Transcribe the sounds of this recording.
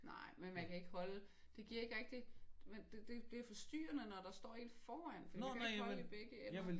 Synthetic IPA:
nɑ̰̈ɪ̰menmænkʰæe̝ɡ̥əhɒ̽lə | d̥e̝ɡ̥iɐe̝ɡ̥ʁɛɡ̥̚d̥imend̥ed̥e̝b̥liɐfɒ̽sd̥y̰ːɐnənɒɾ̥ɑ̈sd̥ɒ̰ːe̝̰ːld̥fɒːæn̰fɒ̽dikæeɡ̥hɒləib̥eɡ̥əe

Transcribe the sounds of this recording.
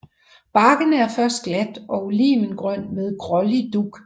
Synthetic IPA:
b̥ɑ̈ːɡ̥ənəæɐfɶɐsd̥̚ɡ̥læd̥ʔɒ̽ulḭːmənɡ̥ʁɶn̰d̥meðˠɡ̥ʁɒlid̥uɡ̥

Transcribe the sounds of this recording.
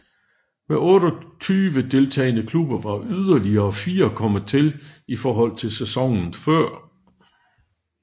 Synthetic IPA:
meɔ̽ːɾɒt͡sʰyːʋəd̥e̝lt͡sʰɛ̰ːɪnəkʰlub̥ɐʋɑ̈ʔyð̞ˠɐliɐɒfiːɐkʰɒ̽mət͡sʰe̝lifɒːɦɒ̽l̰t͡sʰe̝lsesɒ̽ŋn̩fɶɐ̰

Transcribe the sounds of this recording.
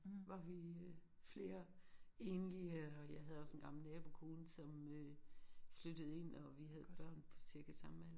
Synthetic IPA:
ʋɑ̈ʋi | fle̝ːɐe̝ːnliəɒjɑ̈ɪɦæð̞̩ˠɒ̽sen̩ɡ̥ɑ̈ml̩nɛːb̥o̝kʰo̝ːn̩sɒ̽møflød̥əð̞̩ˠe̝n̰ɒ̽ʋiɦæð̞ˠb̥ɶɐ̰npʰɒ̽siɐɡ̥æsɑ̈mmæn̰

